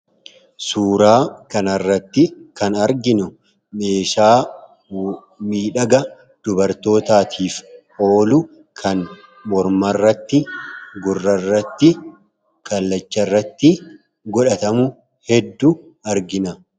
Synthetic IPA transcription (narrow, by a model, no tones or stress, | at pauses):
suːɾaːkɐnɐrːɐt̪ːɪkɐnɐɾɡɪnʊ | me̞ːʃaː | miːᶑɐɡɐ | d̪̥ʊbɐɾt̪o̞ːt̪aːt̪ʰiːfʔo̞ːlʊ | kʰɐn | mɔɾmɐrːɐt̪ːɪɡʊrːɐrːɐt̪ːɪ | kʰɐlːɐt͡ʃːɐrːɐt̪ːɪ | ɡɔᶑɐt̪ɐmʊ | hɛd̪ːʊ | ɐɾɡɪnɐ